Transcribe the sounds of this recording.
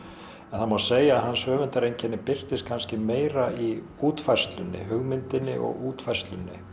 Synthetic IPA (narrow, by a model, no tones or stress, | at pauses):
ɛnθamawseːjaːðɦanːsœːvɪnt̪aɾejɲcʰɛnːɪpɪr̥t̪ɪskʰanscɪmeːjɾai | uːt̪faj̥st̪lʏnːɪ̰ɦʏɣmɪnt̪ɪnːɪ̰ʔɔ̰ɣuːt̪fajst̪lʏnːɪ̰